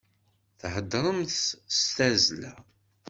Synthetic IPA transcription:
θhəd̪ːɾˤəmθst̪æzlæ

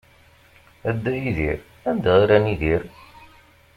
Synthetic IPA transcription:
æd̪ːæjiðiɾ | ænd̪aʁiɾæniðiɾ

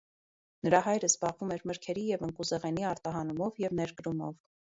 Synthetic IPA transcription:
nəɾɑɦɑjɾəzbɑʁvumɛɾməɾkʰɛɾijɛvəŋkuzɛʁɛniɑɾt̪ɑɦɑnumɔvjɛvnɛɾɡəɾumɔ̰v

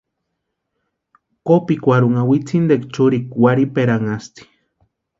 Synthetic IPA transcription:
kopikʷaɾuŋawit͡sʰind̪ekt͡ʃuɾikwaɾipeɾaŋast̪i̥

